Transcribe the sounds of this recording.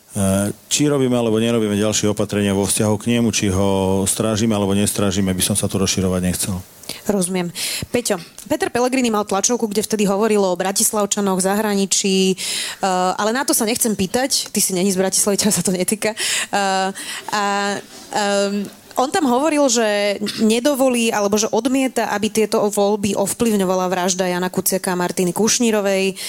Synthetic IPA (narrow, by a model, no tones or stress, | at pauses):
t͡ʃiɾɔbiːmɛalɛbɔɲɛɾɔbiːmɛɟalʃɪɛɔpat̪ɾɛɲɪaʋɔfscaɦɔkɲɛmut͡ʃiɦɔst̪ɾaːʒimɛalɛbɔɲɛst̪ɾaːʒimɛbisɔmsat̪uɾɔsʃiɾɔʋaɟɲɛxt͡sɛl | ɾɔzumɪɛmpɛcɔpɛt̪ɛɾpɛlɛɡɾiːnimalt̪lat͡ʃɔʊkuɡɟɛft̪ɛd̪iɦɔʋɔɾilɔbɾacislaʊt͡ʃanɔɣzaɦɾaɲit͡ʃiː | ʔalɛnat̪ɔsaɲɛxt͡sɛmpiːt̪act̪isiɲɛɲizbɾaci̥slaʋicasat̪ɔɲɛt̪iːka | a | ʔɔnt̪amɦɔʋɔɾilʒɛɲɛd̪ɔʋɔliːalɛbɔʒɛʔɔd̪mɪɛt̪aʔabit̪ɪɛt̪ɔʋɔlbiʔɔfpliʊɲɔʋalaʋɾaʒd̪ajaːnakut͡sɪakaːmaɾt̪inikuʃɲiɾɔʋɛj